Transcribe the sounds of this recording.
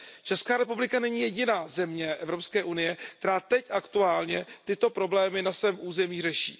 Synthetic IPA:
t͡ʃɛskaːɾɛpublɪkanɛɲiːjɛɟɪnaːzɛmɲɛʔɛvɾo̞pskɛːʔunɪjɛk̚t̪ɛɾaːt̪ɛcʔakt̪uaːlɲɛt̪ɪt̪o̞pɾo̞blɛːmɪnasvɛːmʔuːzɛmiːr̝ɛʃḭː

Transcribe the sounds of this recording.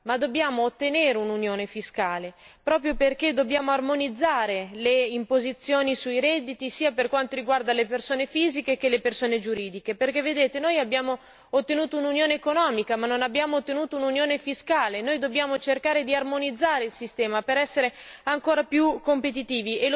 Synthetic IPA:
mad̪ːobjaːmoːt̪ːeneːɾeununjoːnefiskaːle | pɾɔːpɾjoperked̪objaːmoarmonid̪zːaːɾeleimpozit̪sːjoːnisujɾɛd̪ːit̪isiːaperkwant̪oɾiɡward̪alepersoːnefiːzikek̟elːepersoːned͡ʒuɾiːd̪ikeperkevːed̪eːt̪enojabːjaːmo | ot̪ːenuːt̪oununjoːneːkonɔːmikamanːonabːjaːmoot̪ːenuːt̪oununjoːnefiskaːlenojd̪objaːmot͡ʃerkaːɾed̪iarmonid̪zːaːɾeilsist̪ɛːmapeɾɛsːeɾeaŋkoːɾapjukːompet̪̬it̪iːviel

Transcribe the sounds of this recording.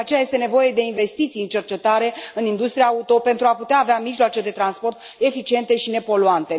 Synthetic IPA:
at͡ʃejaje̞st̪e̞ne̞vo̞je̞d̪e̞inve̞st̪it̪sijɨnt͡ʃe̞rt͡ʃe̞t̪aɾe̞ɨnind̪ust̪ɾijaut̪o̞pe̞nt̪ɾuaput̪eaːveamiʒloat͡ʃe̞d̪e̞t̪ɾanspo̞rt̪ | e̞fit͡ʃie̞nt̪e̞ʃine̞po̞luant̪e̞

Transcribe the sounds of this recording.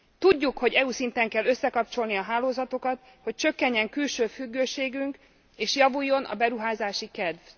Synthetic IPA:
t̪uɟːukho̞ɟɛuːsint̪ɛŋkɛlːø̞sːɛkɒp̚t͡ʃo̞lniɒɦaːloːzɒt̪o̞kɒt̪ | ho̞c̚t͡ʃø̞kːɛɲːɛŋkylʃøːfyɡːøːʃeːɡyŋk | eːʃjɒvujːo̞nʔɒ̰bɛɾuɦaːzaːʃikɛd̪v

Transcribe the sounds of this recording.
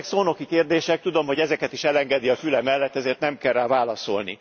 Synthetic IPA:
ksoːno̞kikeːrd̪eːʃɛk̚t̪ud̪o̞mɦo̞ɟɛzɛkɛt̪iʃɛlɛŋɡɛd̪iɒfylɛmɛlːɛt̪ːɛzeːrt̪nɛmkɛraːvaːlɒso̞̰lnḭ

